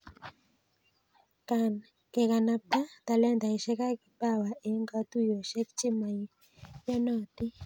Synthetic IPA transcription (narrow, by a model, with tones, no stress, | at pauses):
ka˨n | ke˨ka˨na˦p̚t̪a˦t̪a˨lɛ˦nt̪a˨i˨ʃɛ˦ka˦ki˨pa˦˨wa˨ʔe˨˦ŋɡa˦t̪u˦jo˨ʃe˦kt͡ʃi˦ma˨j | ja˦nɔ˦˨t̪i˦